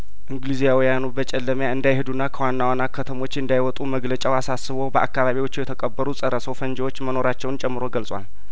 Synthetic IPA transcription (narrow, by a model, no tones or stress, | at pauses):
ʔɨŋɡlizijawijanubət͡ʃʼɛlːəmjaɨnd̪ajhed̪unːakʰəwanːawanakʰːət̪ʰəmo̞t͡ʃːɨnd̪ajwɔt̪ʼuməɡlət͡ʃʼawasasːɨβowbəʔa̰kːaβaβiwo̞t͡ʃːɪjɛt̪ʰəkʼəbːəɾusʼəɾəsəwfənd͡ʒɛwo̞t͡ʃːməno̞ɾat͡ʃːɛwnt͡ʃʼɛmːɨɾo̞ɡəlsʼwa̰l